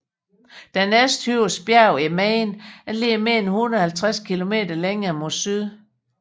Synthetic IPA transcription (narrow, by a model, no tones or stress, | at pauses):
d̥ænesd̥hyʊsb̥jæʊimɛːnælemen̩hunɐð̩ˠhælt͡sʰʁaskʰilo̝me̝̰ːd̥ɐleŋɐːmo̝syðˠ